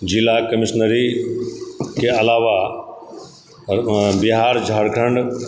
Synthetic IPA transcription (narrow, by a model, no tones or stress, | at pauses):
d͡ʑilakɐmɪʃnəɾi | kʰeɐlaːʋa | bɪɦaːɾd͡ʒʱaɽkʰə̃ɳɖ